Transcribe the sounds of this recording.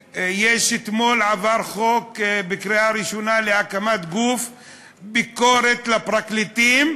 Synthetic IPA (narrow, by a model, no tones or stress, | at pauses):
jeʃet̪mo̞lʕavaɾχokbikɾiaɾiʃonaleakamat̪ɡuf | bikoɾet̪lapɾaklit̪im